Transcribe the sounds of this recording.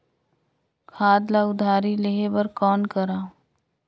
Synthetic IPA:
kʰaːd̪laʊd̪ʱaːɾileɦebɐɾkɔːnkəɾaː

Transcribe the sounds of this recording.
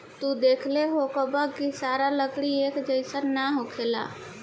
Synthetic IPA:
t̪ud̪eːkʰleɦokəbəkisaɾaləkɽiekd͡ʒəɪsəɾnaɦokʰela̰

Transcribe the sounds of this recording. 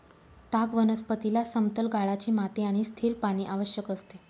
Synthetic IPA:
t̪aɡʋənəspət̪ilasəmt̪əlɡaɭat͡ɕiːmat̪eaɽ̃ist̪ʰiːlpaɽ̃iːʔaʋəɕjəkəst̪e

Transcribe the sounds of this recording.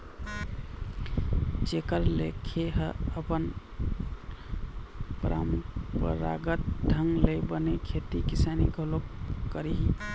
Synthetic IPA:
t͡ʃekəɾlḛkʰeɦəəpən | pɾa̰mpə̰ɾa̰ɡət̪̚ɖ̪ʱəŋɡlebənekʰet̪ikisanḭɡʱolokkəɾiɦi

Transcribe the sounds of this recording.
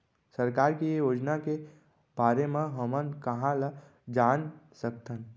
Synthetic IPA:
səɾkaːɾkijoːd͡ʒnake | b̥aːɾemẽɦəmənkəɦãla | d͡ʒaːnsək̚t̪ən

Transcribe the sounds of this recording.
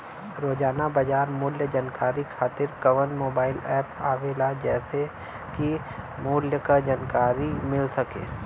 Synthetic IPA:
ɾoːd͡ʒaːnabɐd͡ʒaːɾmʊːljəd͡ʒaːnkaːɾikʰaːt̪ɪɾkɐʋənmoːbaːɪlɛːpaːʋeːlad͡ʒɛːse | ki | mʊːljəkad͡ʒaːnkaːɾimɪlsɐkḛ̃ː

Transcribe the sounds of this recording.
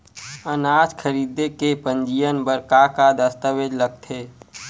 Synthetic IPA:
ənaːd͡ʒkʰəɾiːd̪ekepə̃nd͡ʒijənbəɾkakad̪əst̪əʋed͡ʒləɡ̚t̪ʰeː

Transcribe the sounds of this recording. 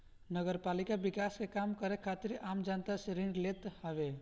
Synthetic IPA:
nəɡəɾpalikabikaskekamkəɾekʰat̪iɾamd͡ʒant̪aseɾiɳɖlet̪həbe

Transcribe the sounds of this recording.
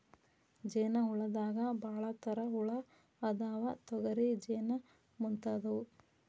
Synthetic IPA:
d͡ʒeːnɐɦuɭɐd̪aːɡɐbʱaːɭɐt̪ɐɾɐɦuɭɐː | d̪aːʋɐt̪ɔɡɐɾid͡ʒeːnɐ | munt̪aːd̪ɐwu

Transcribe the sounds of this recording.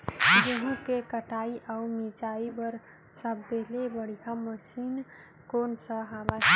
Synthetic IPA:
d͡ʒeɦũkekəʈaiʔaumid͡ʒaibəɾ | səbd̪elebəɽ̤ikaməsin | konsə̃ɦaba

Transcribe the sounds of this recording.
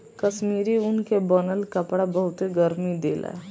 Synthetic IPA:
kəʃmiːɾiʊnkebənəlkəpɽabəɦʊt̪eɡəɾmid̪eːla̰

